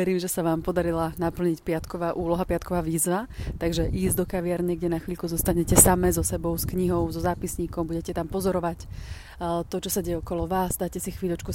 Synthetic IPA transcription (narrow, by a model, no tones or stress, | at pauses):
ɛɾiːmʒɛsaʋaːmpɔd̪aɾilanapl̩ɲicpɪat̪kɔʋaːʔuːlɔɦapɪat̪kɔʋaːʋiːzʋat̪aɡʒɛʔiːzd̪ɔkaʋɪaɾɲɛɡɟɛnaxʋiʎkuzɔst̪aɲɛcɛsamɛzɔsɛbɔʊskɲiɦɔʊzɔzaːpisɲiːkɔmbuɟɛcɛt̪ampɔzɔɾɔʋac | t̪ɔt͡ʃɔsaɟɛjɛɔkɔlɔʋaːzd̪aːjcɛsixʋiːʎɔt͡ʃku